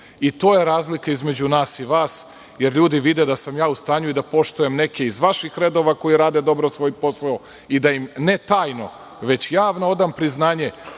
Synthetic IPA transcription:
it̪o̞ːje̞ɾaːzlikaizme̞d͡ʑunaːsiʋaːs | je̞ɾʎuːd̪iʋid̪ed̪asamjaːust̪aːɲuid̪apo̞ʃt̪ujemne̞keizʋaʃixɾe̞d̪o̞ʋako̞jiɾaːd̪e̞d̪o̞bɾosʋo̞ːjpo̞sao | id̪ajimne̞t̪aːjno̞̰ | ʋe̞t͡ɕjaːʋnoo̞d̪ampɾiznaːɲe̞

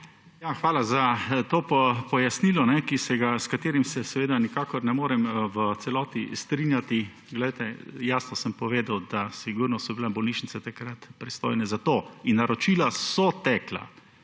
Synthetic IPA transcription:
jaxʋaːlazat̪oːpɔpɔjasniːlɔnɛkisɛɡaskat̪eːɾimsɛsɛʋeːd̪anikaːkɔɾnɛmoːɾɛmʋət̪sɛlɔːt̪ist̪ɾinjat̪i | ɡlɛjt̪ɛjaːsnɔsəmpɔʋeːd̪awd̪asiɡuɾnɔsɔbilɛbɔlniːʃnit̪sɛt̪akɾat̪pɾist̪o̰ːjnɛzat̪oːinːaɾɔt͡ʃilasɔt̪ɛkla̰

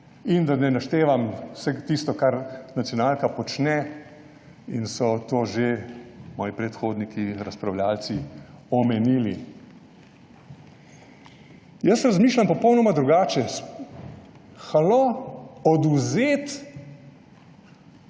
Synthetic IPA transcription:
ind̪anɛnaʃt̪eːʋamsɛɡt̪ist̪ɔkaɾnat̪sjɔnaːlkapɔt͡ʃnɛ | insɔt̪oːʒemɔːjipɾɛt̪xoːd̪nikʰiɾaspɾawlaːlt̪siɔmɛniːli | jəsɾazmiːʃlʲampɔpɔwnɔmad̪ɾuɡaːt͡ʃɛs | xaloɔd̪uzeːt̪

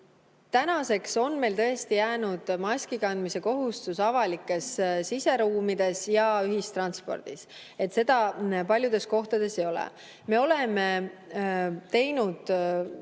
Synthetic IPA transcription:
t̪ænɑse̞kso̞nme̞jlt̪ɤ̞e̞st̪ijæːnud̪̥mɑsʲkikɑnd̪̥mise̞ko̞ɦust̪usɑvɑlikːˑe̞ssise̞ɾuːmid̪̥e̞sjɑyɦist̪rɑnspo̞̰rd̪̥is | et̪se̞d̪ɑpɑlʲjud̪̥e̞sko̞ht̪ɑd̪̥e̞se̞jo̞lḛ | me̞o̞le̞me̞ | t̪e̞jnud̪̥

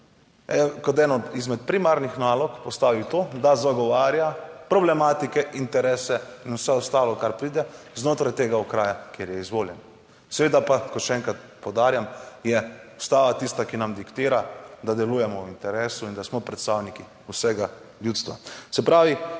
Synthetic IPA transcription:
ɛkɔt̪ɛnɔd̪izmɛt̪̚pɾimaɾnixnaːlɔkpɔst̪aːʋiwt̪oːd̪azaɡɔʋaːɾjapɾɔblɛmaːt̪ikɛʔint̪ɛɾɛːsɛinusɛɔst̪aːlɔkaɾpɾiːd̪ɛ | znoːt̪ɾajt̪eːɡaukɾaːjakjeɾjɛizʋoːljɛn | sɛʋeːd̪apakɔt̪ʃɛɛːŋkat̪̚ | pɔwd̪aːɾjamjɛust̪aːʋat̪ist̪akinamd̪ikt̪iːɾad̪ad̪ɛluːjɛmɔwint̪ɛɾɛːsuind̪asmɔpɾɛt̪st̪aːwniki | usɛɡa | ljuːt̪st̪ʋa̰sɛpɾaːʋi

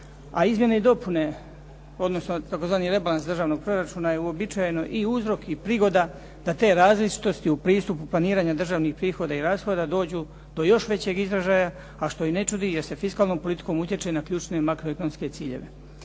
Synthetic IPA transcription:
a̰izmje̞neid̪o̞pune̞ | o̞d̪no̞sno̞t̪ako̞zʋaːniɾe̞balansd̪ɾr̩ʒaːʋno̞ɡ̚pɾo̞ɾat͡ʃuːnaje̞uo̞bit͡ʃajeno̞ʔiuzɾo̞kipɾiɡo̞d̪a | d̪̥at̪e̞ːɾaːzlit͡ʃi̥t̪o̞st̪iupɾiːst̪upuplˠaniːɾaːɲad̪r̩ʒaːʋnixpɾiːxo̞d̪aiɾaːsxo̞d̪ad̪o̞ːd͡ʑuː | d̪o̞jo̞ʃʋe̞t͡ɕe̞ɡizɾaʒaːja | aʃt̪o̞ine̞t͡ʃud̪ijeɾse̞fiskaːlˠno̞mpo̞lit̪i̥ko̞mut̪je̞t͡ʃenakʎuːt͡ʃne̞makɾoekonomske̞t̪siːʎe̞̰ʋe̞̰

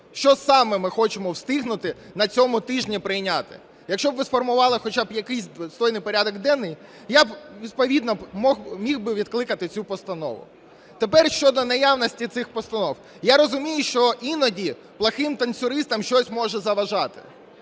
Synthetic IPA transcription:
ʃt͡ʃɔsɑmɛmɪxɔt͡ʃɪmɔwst̪ɪɦnʊt̪ɪ | nɐt͡sʲɔmʊt̪ɪʒnʲipɾɪjnʲat̪ɪ̰ | jɐkʃt͡ʃɔbʋɪsfɔrmʊʋɑlˠɪxɔt͡ʃabjɐkɪjsʲst̪ɔjnɪjpɔɾʲad̪ɔɡd̪ɛnːɪj | jabʋʲid̪̚pɔʋʲid̪nɔmɔxmʲiwbɪʋʲid̪klˠɪkɐt̪ɪt͡sʲupɔst̪ɐnɔ̰ʋʊ̰ | t̪epɛrʃt͡ʃɔd̪ɔnɐjawnɔsʲtʲit̪sɪxpɔst̪ɐnɔw | jaɾɔzʊmʲijʊʃt͡ʃɔʔinɔdʲi | plˠɐxɪmt̪ɐnʲsʲʊɾɪst̪ɐmʃt͡ʃɔsʲmɔʒɛzɐʋɐʒɑt̪ɪ̥̰

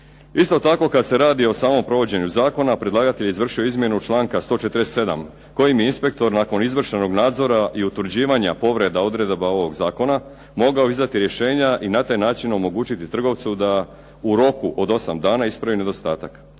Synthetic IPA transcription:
ist̪o̞t̪ako̞kad̪se̞ɾaːd̪io̞saːmo̞mpɾo̞ʋo̞d͡ʑe̞ɲuzaːko̞napɾed̪lˠaːɡat̪e̞ʎizʋr̩ʃio̞izmje̞nut͡ʃlˠaːŋkast̪o̞ːt͡ʃe̞t̪ɾesse̞d̪a̰m | ko̞jimjeinspe̞k̚t̪o̞ɾnaːko̞nizʋr̩ʃeno̞ɡnaːd̪zo̞ɾaʔiut̪ʋr̩d͡ʑiːʋaɲapo̞ʋɾe̞d̪ao̞d̪ɾe̞d̪bao̞ʋo̞ɡzaːko̞na | mo̞ɡaoizd̪at̪iɾje̞ʃe̞ːɲaʔinat̪ajnaːt͡ʃino̞mo̞ɡuːt͡ɕit̪it̪r̩ɡo̞ʋt̪sud̪a | uɾo̞kuʔo̞d̪o̞samd̪aːnaispɾaʋine̞d̪o̞st̪aːt̪ak

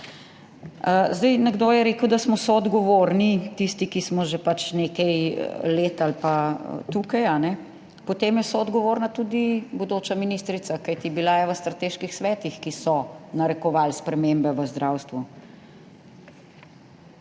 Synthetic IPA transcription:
zd̪ɛjnɛɡd̪oːjɛɾeːkəwd̪asmɔsɔːd̪ɡɔʋoɾnit̪ist̪ikismɔʒepat͡ʃnekɛjleːt̪alpa̰t̪ukajanɛ | pɔt̪eːmjɛsɔːd̪ɡɔʋoːɾnat̪ud̪ibɔd̪oːt͡ʃaminist̪ɾit̪sakajt̪ibilajɛʋəst̪ɾat̪eːʃkixsʋɛːt̪ixkisɔnaɾɛkɔʋaːlspɾɛmembɛʋəzd̪ɾawst̪ʋu

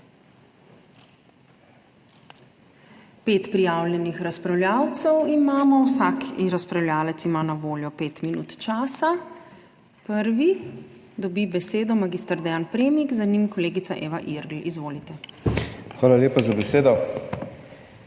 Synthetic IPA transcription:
peːt̪pɾijaːwljɛnixɾaspɾawljaːwt̪sɛwimaːmɔwsakʰiɾaspɾawljaːlɛt̪simaːnaʋoːljɔpeːt̪minṵːt̪t͡ʃaːsa | pəɾʋi | d̪ɔbibɛseːd̪ɔmaɡiːst̪aɾd̪ɛjanpɾeːmiɡzanimkɔleːɡit̪saʔeːʋaʔiɾɡlizʋoːlit̪ɛ | xʋaːlalʲeːpazabɛseːd̪ɔ

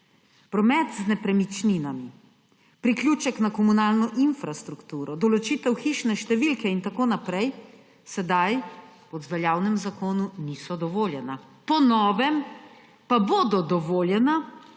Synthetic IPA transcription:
pɾɔmɛt̪znɛpɾɛmit͡ʃninami | pɾiklʲjuːt͡ʃɛknakɔmunaːlnɔʔinfɾast̪ɾukt̪uːɾɔd̪ɔlɔt͡ʃit̪ɛwxiʃnɛʃt̪ɛʋilkɛint̪akoːnapɾɛj | sɛd̪aj | ɔd̪zʋɛljaːwnɛmzakoːnunisɔd̪ɔʋoːljɛna | pɔnɔːʋɛm | paboːd̪ɔd̪ɔʋoːljɛna

